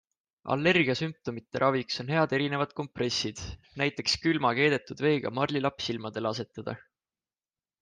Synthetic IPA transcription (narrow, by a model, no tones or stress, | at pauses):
ʔɑ̰lːe̞rɡ̥iɑsymp̚t̪o̞mit̪ːeɾʔɑvikso̞nɦe̞ɑd̪̥e̞ɾine̞vɑd̪̥̚ko̞mpre̞sːid̪̥ | næjt̪ːˑe̞kskylmɑke̞ːd̪̥e̞t̪ːˑud̪̥ve̞ːɡ̥ɑ̰mɑrlʲilɑpsilmɑd̪̥e̞lɑse̞t̪ːˑɑd̪̥ɑ̰